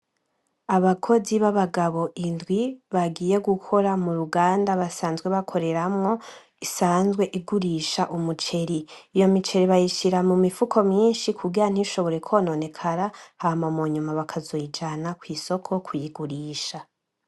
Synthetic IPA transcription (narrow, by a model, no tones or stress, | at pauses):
aβakʰo̞ziβaβaɡaβo̞ʔindɡwiβaɡiːje̞ɡukʰo̞ɾamuɾuɡaːndaβasaːnzɡwe̞βakʰo̞ɾe̞ɾamŋo̞ | isaːnzɡwe̞ʔiɡuɾiːʃaʔumut͡ʃe̞ɾiijo̞mit͡ʃe̞ɾiβajiʃiɾamumifukʰo̞mɲiːnʃikʰuɡiɾan̥iʃo̞βo̞ɾe̞kʰono̞ne̞kʰaɾahamamoɲumaβakʰazoid͡ʒanakwiːso̞kʰo̞kʰujiɡuɾiːʃa